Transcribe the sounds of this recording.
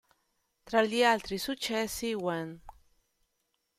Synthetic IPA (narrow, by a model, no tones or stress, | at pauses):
t̪ɾalialt̪ɾisut͡ʃesiwan